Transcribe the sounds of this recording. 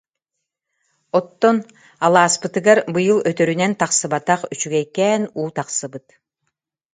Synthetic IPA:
ɔt̪ːɔn | alˠaːspɯt̪ɯɡaɾbɯjɯlˠœt̪œɾynɛnt̪aqsɯbat̪aqyt͡ʃyɡɛjkɛːnuːt̪aqsɯbɯt̪

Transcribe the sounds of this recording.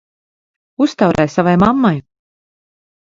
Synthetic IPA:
ust̪awɾʔɛjsavajmamːaj

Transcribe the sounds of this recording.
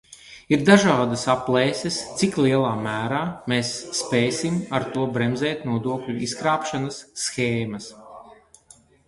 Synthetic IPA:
iɾd̪aʒaːd̪ɐsaplˠɛːsʲest̪sikliɛlˠaːmæːɾaːmesːpɛːsimaɾt̪uɔbɾɛmzɛːt̪nuɔd̪uɔklʲuiskɾaːpʃanasːxeːmɐs

